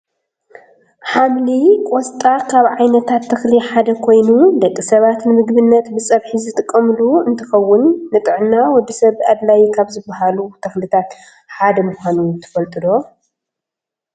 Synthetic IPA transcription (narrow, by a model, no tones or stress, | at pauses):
ħamlikʼɔst̪ʼakʰaβʕajnɐt̪ʰat̪ʰːɐxliħad̪ɐkʰo̞jnud̪ɐkʼːisɐβat̪nɨmɨɡbɨnːɐt̪bɨsʼɐβħizɨt̪ʼɨkʼːɐmluɨnt̪ʰɐxɐwːʊnːɨt̪ʼɨʕnːawɔd̪ːisɐβad̪lajkʰaβzɨbːaɦalut̪ʰɐxlit̪ʰat̪ | ħad̪ɐmuxʷanut̪ʰɨ̥fɐlt̪ʼɨd̪o̞